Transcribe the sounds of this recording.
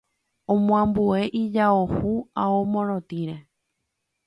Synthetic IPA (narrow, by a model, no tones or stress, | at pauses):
õmõãmbue̞ʔid͡ʒaohuaomõɾ̃õt̪ĩɾe